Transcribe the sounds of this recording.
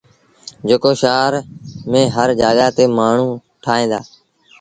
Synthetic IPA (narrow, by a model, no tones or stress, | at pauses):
d͡ʒekoːʃaːɾmẽːɦəɾd͡ʒaːɠaːt̪eːmaːɳ̤ũː | ʈʰaːɦẽːnd̪aː